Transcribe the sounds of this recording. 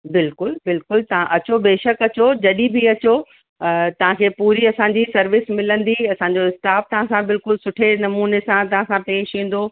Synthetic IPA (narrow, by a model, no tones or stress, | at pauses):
bɪlkʊlbɪlkʊlt̪ɐʋ̤ãʔɐt͡ɕobeːʃəkɐt͡ɕod͡ʑɐɗibʱiɐt͡ɕo | t̪ɐʋ̤ãkʰeːpuːɾiɐsãːɲd͡ʑisɐɾʋɪsmɪlə̃nd̪iɐsãːɲ̆d͡ʑoɪst̪aːf̚t̪ɐʋ̤ãsãbɪlkʊlsʊʈʰenɐmuːnesãt̪̬ɐʋãsãpeːʃĩːn̆d̪o